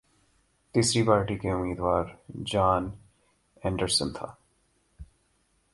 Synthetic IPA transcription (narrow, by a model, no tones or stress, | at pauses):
t̪iːsɾipaːɾʈikeʊmiːd̪ʋaːɾd͡ʒaːn | ɛ̃ːɳɖəɾsənt̪ʰa̰ː